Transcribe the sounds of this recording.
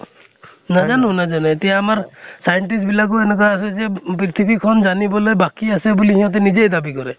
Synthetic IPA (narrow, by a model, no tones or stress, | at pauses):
nad͡ʒanũnad͡ʒanɔ̃et̪ijaːmaɾsajɔɳʈisbilak̬uenɛɡɔɾaːsed͡ʒep̬ɾit̪ʰibikʰɔnd͡ʒanibɔlejbakiasebulihĩɔ̃t̪̬enid͡ʒejd̪abikɔɾɛ